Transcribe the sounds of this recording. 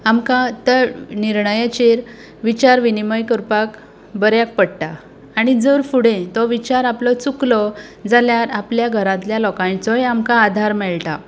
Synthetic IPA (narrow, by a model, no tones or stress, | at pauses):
amkãt̪əɾniɾɳəjat͡ɕiɾ | ʋit͡ɕaɾʋiniməjkəɾpak | bəɾjak̚pəɽʈaː | ɽ̃id͡zəɾfuɽẽt̪ɔʋit͡ɕaɾaplɔt͡suklɔd͡zaljaɾapljaɡʱəɾãt̪ljalɔkãj̃t͡sɔjamkaːd̪ʱaɾmɛɭʈa̰